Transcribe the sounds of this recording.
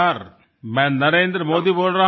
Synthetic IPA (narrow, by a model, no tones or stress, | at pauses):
aɾ | mɛ̃ːnɐɾẽːnd̪ɾəmoːd̪iboːlɾɐ